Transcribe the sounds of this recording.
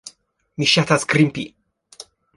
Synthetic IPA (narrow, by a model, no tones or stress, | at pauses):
miʃat̪askɾimpi